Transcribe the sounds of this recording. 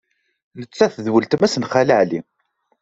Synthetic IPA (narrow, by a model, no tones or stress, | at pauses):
nət͡sːæθðwəlt̪mæsənχæləʕli